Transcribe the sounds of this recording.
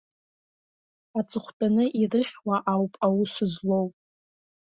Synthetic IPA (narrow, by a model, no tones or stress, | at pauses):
at͡sʼɨχʷdʼanɨʔirɨχʲwaʔawpʼawʊsʷɨzlowpʼ